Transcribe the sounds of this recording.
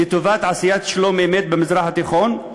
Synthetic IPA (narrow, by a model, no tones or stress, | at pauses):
et̪ovat̪ʕasijat̪ʃlomemet̪̚bemizʁaχat̪iχon